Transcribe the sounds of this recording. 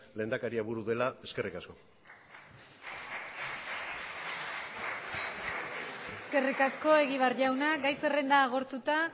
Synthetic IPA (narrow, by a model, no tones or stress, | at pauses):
le̞ːnd̪akaɾiaβuɾuðe̞lae̞ske̞rikasko̞ | eske̞rikasko̞e̞ɣiβ̞arʝawnaɡajsere̞nd̪aːɣ̞o̞ɾt̪ut̪a